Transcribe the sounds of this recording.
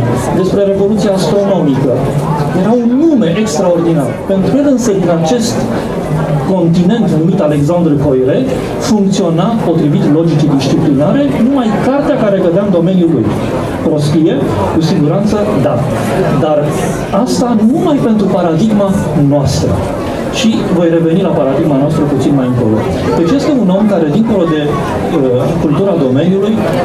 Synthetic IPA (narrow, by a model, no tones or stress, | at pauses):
d̪e̞spɾe̞ɾe̞vo̞lut̪sijaːst̪ɾo̞no̞mikə | je̞ɾaunːume̞ʔekst̪ɾao̞rd̪inarpe̞nt̪ɾued̪ɨnsəkəat͡ʃe̞st̪ | ko̞nt̪ine̞nt̪numit̪ale̞ks̬and̪ɾɨko̞jɾe̞t̪ | fuŋkt̪sio̞napo̞t̪ɾivit̪lo̞d͡ʒit͡ʃid̪iʃt͡ʃiplinaɾe̞numajkart̪eakaɾe̞ɡəd̪eamd̪ome̞njulṵj | pɾo̞sk̪ije̞ | kusiɡuɾant̪səd̪a | d̪ar | ast̪anumajpe̞nt̪ɾupaɾad̪iɡma | noast̪ɾə̰ | ʃivo̞jre̞ve̞nilapaɾad̪iɡmanoast̪ɾəput̪sinmajɨŋkolo̰t | d̪̥e̞t͡ʃje̞st̪e̞uno̞mkaɾe̞d̪iŋko̞lo̞d̪e̞ | kult̪uɾad̪o̞me̞njuluj